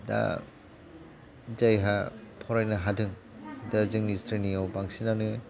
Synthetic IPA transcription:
da̰ | zajɦapʰɔɾajnaɦadɯŋ | dazɯŋnistɾiniawbaŋsinanɯ

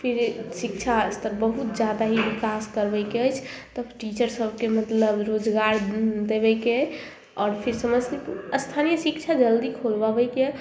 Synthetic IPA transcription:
pʰiɾsik̚t͡ʃʰast̪əɾbəɦut̪̚d͡ʒad̪aɦiʋikaskəɾbəjkeəjt͡ʃʰt̪əʈit͡ʃəɾsəbkemət̪ləbɾod͡ʒɡaɾd̪ebɛke | ɔːɾpʰiɾsəməseəst̪ʰanijəsikt͡ʃʰad͡ʒəld̪ikʰolbabəke

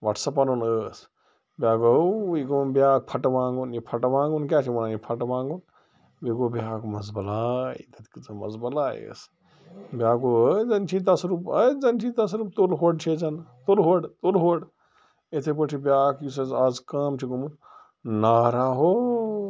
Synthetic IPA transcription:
ʋɐʈʰsɐpɐnonəːs | bʲjaːkɐikonbʲjaːk̚pʰɐʈʋãːŋɡunjipʰɐʈʋãːŋɡunkʲaːt͡ʃʰimɐnanjipʰɐʈʋãːŋɡun | biɡobjaːkmɐzbɐlaːḭt̪ɐt̪kit͡sɐmɐ̰zbɐlaːjḛs | bʲjaːkoəzɐnt͡ʃʰit̪ɐsɾupəzɐnt͡ʃʰit̪ɐs̬ɾup̚t̪olɦoːɖt͡ʃʰed͡ʒɐnt̪olɦoɖt̪olɦoːɖ | et̪ʰep̬əʈʰibʲjaːkjus̬ɐzaːzkaːmt͡ʃʰiɡomun | naːɾaːɦoː

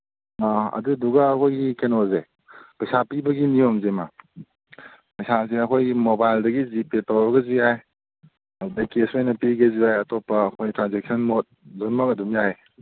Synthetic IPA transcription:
aɐ̰duduɡɐːkʰojɡikenoze | pɐjsapibɐɡinijomzema | pɐjsaseɐkʰojimobajldɐɡizipetawbɐɡɐziaj | ɐudajkesojnɐpiɡɐziajɐtopːɐːkʰojtɾanzek̚sʰɔnmot̚zonmɐk̚ɐdumjaj

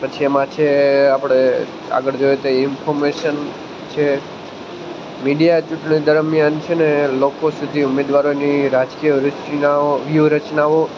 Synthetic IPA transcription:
pət͡ʃʰiemãt͡ʃʰeapəɽ̃e | a̰ɡəɭd͡ʒojet̪oeɪnpʰoɾmeʃən | t͡ʃʰe | miɖijat͡ʃuʈɳid̪əɾmjant͡ʃʰenelokosud̪ʱiumed̪ʋaɾoniɾad͡ʒkijəɾət͡ʃaoʋjuɾət͡ʃnaʋo

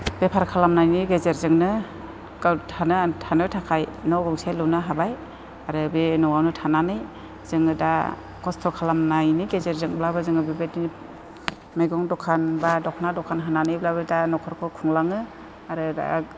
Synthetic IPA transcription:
b̥epʰaɾkʰalamnajniɡezeɾzɯŋnɯ | ɡ̥atʰanɯtʰanɯtʰakʰajnɔɡɯŋsajlɯwnɯɦabaj | aɾɯbenɔwawnɯtʰananɯj | zɯŋɯda̰ | kɔstʰɔkʰalamnajniɡezeɾzɯŋblabɯzɯŋɯbebeti | majɡɔŋdɔkʰanbadɔkʰnadɔkʰanɦananɯjblabɯdanɔkʰɔɾkʰɔkʰɔŋlaŋɯ | aɾɯda̰

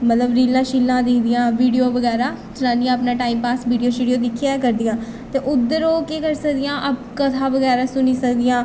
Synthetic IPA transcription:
mət̪ləbɾiːlãːʃiːlːãːd̪eːd̪ijãːʋiːɖijoːʋəɡɛːɾaː | d͡ʒɪnãːniːãaːpnãːʈaːiːmpaːsʋiːɖijoːʃiːɖijoːd̪ɪkʰːjaːkəɾd̪ijãː | t̪eːʔʊd̪əɾoːkeːkəɾsəkd̪ijãːʔab̚kət̪ʰaːʋəɡɛːɾaːsʊniːsəkd̪iːãː

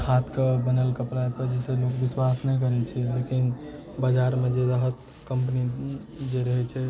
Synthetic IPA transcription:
hat̪ʰkebənəlkəpɾaepəɾd͡ʒɛselokbiswasnɛjk̬əɾɛt͡ʃʰɛlekin | bad͡ʒaɾmed͡ʒed̪əɦət̪ | kəmpnid͡ʒeɾəɦɛt͡ʃʰɛ

